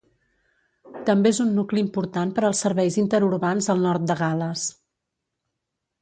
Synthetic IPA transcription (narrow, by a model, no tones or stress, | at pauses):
t̪əmbeezunːukliːmpuɾt̪anpəɾəlˠsːəɾβɛjzint̪əɾuɾβanzəlˠnɔɾt̪̚d̪əɣaləs